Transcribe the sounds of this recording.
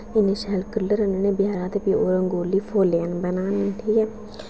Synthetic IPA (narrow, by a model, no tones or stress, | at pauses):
ɪneʃɛːlkəlːəɾənenẽːbɪjaːɾãːt̪epiːoːɾəŋɡoːliːpʰoːleənbənaːneʈʰiːkɛː